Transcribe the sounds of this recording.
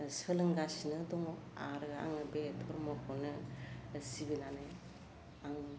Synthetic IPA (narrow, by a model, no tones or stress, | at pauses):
sɯlɯŋɡasinɯdɔŋoa̰ɾɯa̰ŋɯbetʰɔɾmɔkʰonɯ | siɡɯnane | aŋ